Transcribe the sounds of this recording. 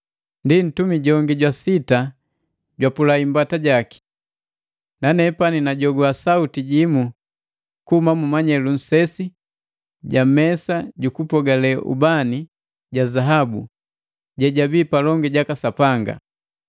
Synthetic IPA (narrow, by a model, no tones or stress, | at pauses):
ndin̩tumiɟɔŋɡiɟwasita | ɟwapulaimbataɟaki̥ | nanɛpaninaɟɔɡuasautiɟimu | kuhumamumaɲɛlun̩sɛsi | ɟamɛsaɟukupɔɡalɛʔṵbani | ɟazaɦabu | ɟɛɟabiːpalɔŋɡɛɟakasapaŋɡa̰